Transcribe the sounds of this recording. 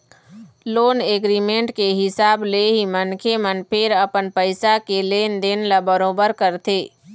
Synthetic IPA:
loːneːɡɾiːmẽːɳʈkeɦɪsaːbleɦimənkʰemənpʰɪɾɐpənpəɪsakeleːnd̪eːnləbəɾoːbəɾkəɾt̪eː

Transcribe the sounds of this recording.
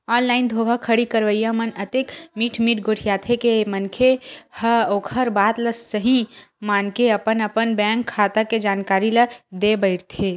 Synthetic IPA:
ɔːnlaːɪnd̪ʱoːɡʱakʰəɽikəɾʋəjamənət̪eːkmiːʈʰmiːʈ̚ɡʱoɽ̤ʰijat̪ʰekemənkʰehəoːkʰəɾbaːt̪ləsːəɦĩmaːnkeɐpənəpənbɛ̃ːŋkʰːaːt̪aked͡ʒaːnkaːɾiləd̪ebəɪɾt̪ʰe

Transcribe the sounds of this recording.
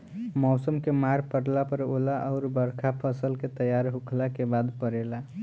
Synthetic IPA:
mɔsəmkemaɾpəɽlapəɾolaʔɔʊɾbəɾkʰapʰəsəlket̪əjaɾɦukʰlakebad̪pəɾela

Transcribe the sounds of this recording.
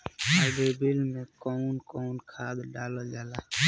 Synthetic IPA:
əbebilmẽkɔunkɔunkʰad̪ɖaləd͡ʒala

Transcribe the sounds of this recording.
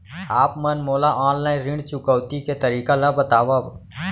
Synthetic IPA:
aːpmɐnmoːlaʔɔ̃ːnlaːɪ̃nɾɪ̃ɳɖt͡ʃʊkəwt̪iket̪əɾiːkalabət̪aːʋab

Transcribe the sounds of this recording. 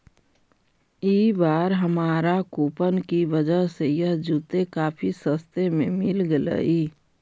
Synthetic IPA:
iːbaːɾɦəmaːɾakuːpənkiʋəd͡ʒəɦsejəɦd͡ʒuːt̪ekaːpʰisəst̪emẽmɪlɡələ̰iː

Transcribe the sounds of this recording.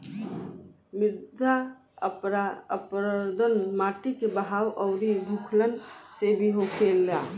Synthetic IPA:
miɾd̪ʱa | ɾəpɾəd̪ʱənmaʈikebəɦawʔəʊɾib̪ʱukʰlənsebʱiɦokʰelːa

